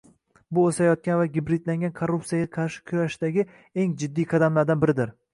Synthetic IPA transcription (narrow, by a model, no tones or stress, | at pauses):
bʊosajɒt̪̚kʲanvaɡʲɪbɾɪd̪laŋɡʲankʰoɾːuptsijaɡʲaqʰɑɾʃɪ̥kʲʰʊjaʃɪd̪aɡʲɪ | e̞ŋd͡ʒɪd̪ːijqʰɑd̪amlaɾd̪anbɪɾɪd̪ɪɾ